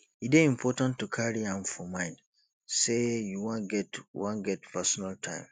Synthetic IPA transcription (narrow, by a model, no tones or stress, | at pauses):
ideĩmpʰɔtãntʰːukʰaɹiãmfɔmãɪ̃nd | sejuwãnɡɛtwãnɡɛtpʰɛsɔnaltʰãɪ̃m